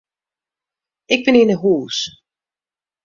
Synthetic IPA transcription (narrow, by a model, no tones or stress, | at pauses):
ɪɡ̚bɪnɪnəɦuːs